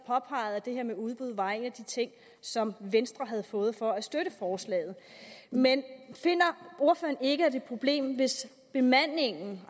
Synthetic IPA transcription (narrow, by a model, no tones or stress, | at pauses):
pʰɒ̽pʰɑ̈ɪð̩ˠæd̥e̝heɐmeuð̞ˠb̥uð̞̰ˠʋɑ̈e̝næd̥it͡sʰe̝ŋ̰ | sɒ̽mʋensd̥ʁɐɦæð̞̩ˠfɔ̽ːð̞̩ˠfɒ̽æsd̥øɾəfɒːslɛ̰ːð̞̩ˠmenfe̝n̰ɐo̝ɐfø̰ːɐne̝ɡ̥əæd̥e̝pʰʁo̝b̥le̝̰ːmʋe̝s | b̥e̝mæn̰ːe̝ŋn̩